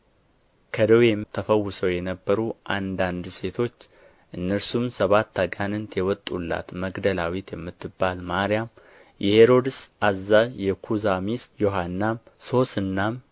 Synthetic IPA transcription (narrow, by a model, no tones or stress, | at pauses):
kʰəd̪owemt̪ʰəfəwːʊsəwjɛnəbːəɾuʔand̪and̪se̞t̪ʰo̞t͡ʃː | ʔɨnːəɾsumsəβat̪ʰːaɡanɨnt̪jɛwɔt̪ʼːulːa̰t̪məɡd̪əlawit̪jɛmːɨt̪ːɨbːalmaɾijam | jʔɛheɾo̞d̪ɨsazːazjɛkʰuzamisjo̞ɦanːamso̞sɨnːam